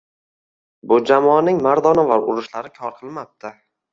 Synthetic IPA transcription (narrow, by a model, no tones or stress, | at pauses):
bʊd͡ʒamɒːnɪŋmaɾd̪ɒnavaɾʊɾʊʃlaɾɪkʲʰɒɾqʰɨlˠmap̚t̪ʰɪ